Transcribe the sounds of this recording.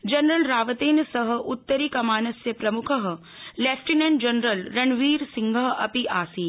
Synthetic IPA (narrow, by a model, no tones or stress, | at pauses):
d͡ʒɐnɾɐlɾaːʋɐt̪eːnsɐɦə̆ʔut̪ːəɾiːkɐmaːnɐsjɐpɾɐmukʰəɦ̆ | leːfʰʈinẽɳɖd͡ʒɐnɾəlɾɐɳʋiːɾsiŋɡʱɐɦɐpiʔaːsiː